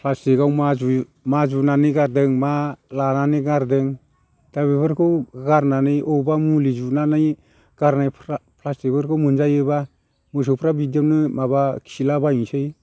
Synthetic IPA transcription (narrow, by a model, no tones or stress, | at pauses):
pʰlastikawmazu | mad͡ʒunanɯjɡaɾdɯŋmalananɯɡaɾdɯŋ | tabebɯɾkʰɯwɡaɾnanɯjɔbamulid͡ʒunanɯj | ɡ̥aɾnajʰpʰlastibɯɾkʰɯwmɯnzajɯba | mɯs̬ɯwpʰɾabidjanɯmabakʰisilabaiŋsɯj